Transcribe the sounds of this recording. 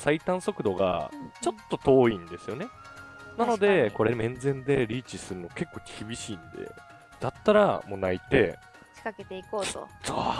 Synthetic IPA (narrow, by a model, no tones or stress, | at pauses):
sait̪ãɰ̃so̞kɯ̟d̪o̞ɡa̰t͡ɕo̞t̪ːo̞t̪o̞ːĩnd̪e̞sɨjo̞ne̞ | nano̞d̪e̞ko̞ɾe̞mẽ̞nd͡zẽ̞nd̪e̞ɾʲiːt͡ɕisɨɾɯ̟noke̞kːo̞ːkʲʰibʲiɕiːnd̪e̞̰ | d̪̥at̪ːaɾamo̞ːnait̪e̞̰ | t͡ɕi̥kake̞t̪e̞ikoːt̪o̰soː